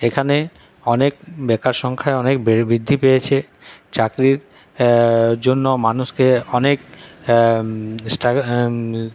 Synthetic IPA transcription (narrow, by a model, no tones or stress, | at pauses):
ekʰane | ɔnek̚bɛkaɾʃɔŋkʰaeɔnekbbɾid̪ʱːipejet͡ɕʰe | t͡ɕakɾiɾ | d͡ʑonːomanuʃkeɔnek | sʈa